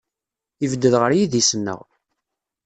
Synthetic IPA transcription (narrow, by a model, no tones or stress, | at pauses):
ivəd̪ːəðʁəɾjiðisənːə̰ʁ